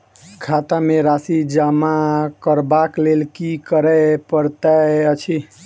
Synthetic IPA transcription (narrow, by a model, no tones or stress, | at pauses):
kʰat̪ameɾasid͡ʒamakəɾbaklelkikəɾɛpəɾt̪aət͡ʃʰi